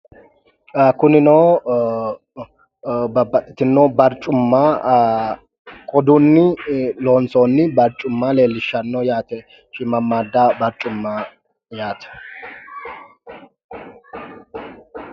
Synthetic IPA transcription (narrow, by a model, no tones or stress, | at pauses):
akʊnɪnoː | bɐbːɐt̪ʼɪ̥t̪ɪnːoːbɐɾt͡ʃʼːʊmːaː | kʼɔd̪ʊnːɪloːnsoːnːɪbɐɾt͡ʃʼːʊmːaːle̞ːlːɪʃːɐnːɔːjaːt̪ɛ | ʃɪmɐmːaːd̪ːabɐɾt͡ʃʼʊmːaː | jaːt̪ɛ̥